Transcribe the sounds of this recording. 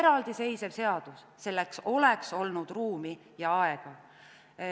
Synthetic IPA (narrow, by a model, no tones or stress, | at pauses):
eɾɑld̪̥ise̞jse̞v̥se̞ɑd̪̥usːe̞lːe̞kso̞lekso̞lnud̪̥ruːmi | jɑɑe̞ɡ̥ɑ